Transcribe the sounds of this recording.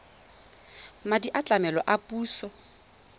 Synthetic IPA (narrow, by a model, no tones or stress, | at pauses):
madiʔat͡ɬʼamɛlɔʔapʼuːsɔ